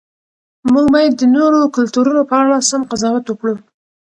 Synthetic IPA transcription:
muɡbɑjad̪ːənoɾokʊlt̪uɾunopəaɽasamqazɑwat̪wəkɽu

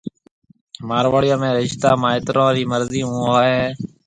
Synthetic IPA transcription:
maːɾʋaːɽɪjõːmẽːɾɪʃt̪aːmãːɪt̪ɾõːɾiːməɾziːũːaːɦeː

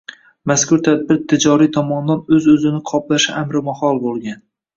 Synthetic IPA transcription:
maskʊɾt̪ʰad̪̚bɪɾt̪ʰɪd͡ʒɒɾit̪ʰɒmɒnd̪anɵzɵzɪnɪqʰɒplaʃɪamɾɪmahɒlˠbolˠɡʲan

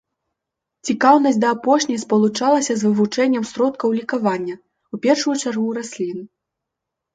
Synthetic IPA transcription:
t͡sʲikawn̪ɐsʲd̪ɐːpɔʂnʲɐjspɐlˠut͡ʂalˠɐsʲɐzvɨvut͡ʂɛnʲːɛmsɾɔt̪̚kɐwlʲikavanʲːɐ | upʲɛrʂujut͡ʂarɣuɾasʲlʲin

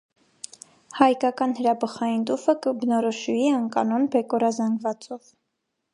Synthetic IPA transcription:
hɑjkɑkɑnhəɾɑbəχɑjint̪ufəkəbənɔɾɔʃuiəŋkɑ̰nɔnbɛkɔɾɑzɑŋɡvɑt͡sɔv

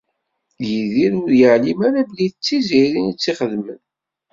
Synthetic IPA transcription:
jiðiɾʊɾjəʕlimæɾabliθət͡sːiziɾinit͡sːiχəðmən

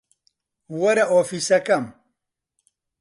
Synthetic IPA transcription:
wɐɾɐʔoːfiːsɐkɐm

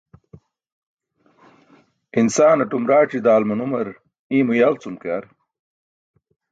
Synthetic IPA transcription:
insaːnɐʈumɾaːʈ͡ʂid̪aːlmunumɐɾ | ĩːmujaːlt͡sumkaːɾ

